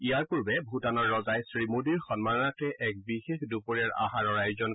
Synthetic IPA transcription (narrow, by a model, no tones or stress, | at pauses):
ijaɹpuɹbɛbʱutanɔɹːɔzajsɹimudiɹxɔnmanɔnatɛʔʔɛk̚bixexdupoɹiaɹa̰ɦaɹɔɹajzɔn